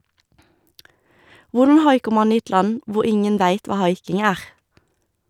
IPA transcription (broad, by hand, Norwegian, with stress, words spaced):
ˈʋʊʁdn̩ ˈhɑɪkəʁ ˈmɑn ˈiː ˈɛt ˈlɑn ˈʋʊʁ ˈɪŋən ˈʋæɪt ˈʋɑː ˈhɑɪkɪŋ ˈæːʁ